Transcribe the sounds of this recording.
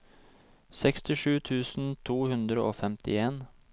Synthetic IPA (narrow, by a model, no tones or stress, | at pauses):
sɛkst̪ɪʃʉːt̪ʰʉːsn̩t̪ʰuːhʉnd̪ɾəʔo̰ːfɛmt̪ɪeːn